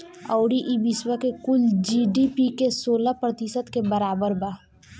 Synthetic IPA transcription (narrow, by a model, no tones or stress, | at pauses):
ɔːɽiʔibɪswəkekʊld͡ʒiːɖipikesoːlapɾət̪ɪsət̪kebɐɾaːbəɾbaː